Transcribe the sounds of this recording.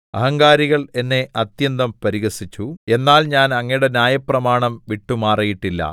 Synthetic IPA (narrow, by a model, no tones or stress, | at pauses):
ɐ̰ɦɐŋɡaːɾiɣɐɭe̞nːe̞ʔɐt̪jɐnd̪ɐmpɐɾiɣɐsit͡ɕːue̞nːaːlɲaːnɐŋːɐjuɽe̞njaːjɐprɐmaːɳɐmʋiʈːumaːrijiʈːilːɐ̰